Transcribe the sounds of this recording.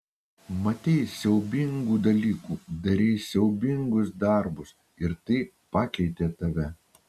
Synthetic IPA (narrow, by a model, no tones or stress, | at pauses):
mɐt̪ʲɛɪsʲɛʊbʲɪŋɡuːd̪ɐlʲiːkuːd̪ɐɾʲɛɪsʲɛʊbʲɪŋɡʊsd̪ɑˑɾbʊs | ɪɾt̪ɐɪ | pɑːkʲɛɪt̪ʲeːt̪ɐʋʲɛ